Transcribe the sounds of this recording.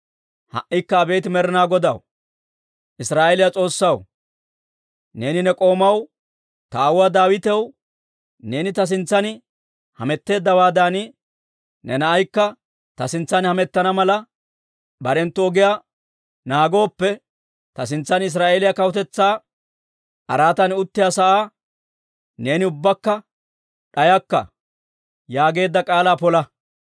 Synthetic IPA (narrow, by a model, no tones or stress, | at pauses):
hɐ̰ʔːɪkːɐːbe̞ːt̪ɪmɛɾɪnaːɡɔd̪ɐw | ʔɪsɾaːelɪjat͡sʼo̞ːsːɐw | ne̞ːnɪnɛkʼo̞ːmɐw | t̪ɐːwwad̪aːwɪt̪ɛw | ne̞ːnɪt̪ɐs̬ɪnt͡sːɐnɪ | hɐmɛt̪ːe̞ːd̪ːɐwaːd̪anɪ | nɛnɐʔɐjkːɐ | t̪ɐsɪnt͡sːɐnhɐmɛt̪ːɐnɐmɐlɐ | bɐɾɛnt̪ːɔɔɡɪjaː | naːɡo̞ːpːɛ | t̪ɐsɪnt͡sːɐnɪs̬ɾaːʔelɪjakɐwʊt̪ɛt͡sːaː | ʔɐ̰ɾaːt̪ɐnʊt̪ːɪjasɐʔaː | ne̞ːnɪʊbːɐkːɐ | ɗɐjɐkːɐ̰ | jaːɡe̞ːd̪ːɐkʼaːlaːpɔlɐ